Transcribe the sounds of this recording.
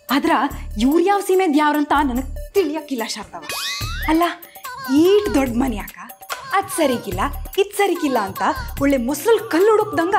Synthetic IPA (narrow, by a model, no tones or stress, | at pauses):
aːd̪ɾɐjuːɾjaːʋsiːmeːd̪jaːʋɾɐnt̪ɐnɐnɐɡ̚t̪iɭijakːilːɐʃɐːɾd̪ɐʋɐɐlːɐ | iːʈd̪ɔɖmɐnjaːkɐ | ɐd̪sɐɾikilːɐid̪sɐɾikilːɐːnt̪ɐɔɭːemɔslɐlkɐlːuɽokd̪ɐŋɡɐ